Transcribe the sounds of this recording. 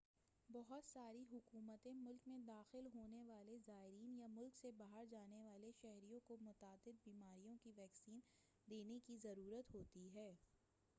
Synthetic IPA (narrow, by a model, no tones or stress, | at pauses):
bɔɦʊt̪saːɾiɦʊkuːmət̪ẽmʊlkmẽd̪aːxɪlɦoːneʋaːlezaːɪɾiːnjamʊlksebaɦəɾd͡ʒaːneʋaːleʃɛɦɾijõkomʊt̪aːd̪ɪd̪̚biːmaːɾijõkiʋɛːksiːn | d̪eːnekizɐɾuːɾət̪ɦoːt̪iɦɛː